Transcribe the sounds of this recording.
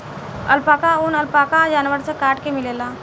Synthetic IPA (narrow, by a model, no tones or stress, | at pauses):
ə̰lpaːkaunəlpaːkad͡ʒaːnʋəɾsekaːʈkemɪleːlaː